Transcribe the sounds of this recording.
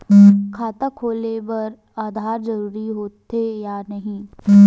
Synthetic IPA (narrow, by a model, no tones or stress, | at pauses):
kʰaːt̪akʰoːlebɐɾ | aːd̪ʱaːɾd͡ʒɐɾuːɾiɦoːt̪ːejaːnɐɦĩ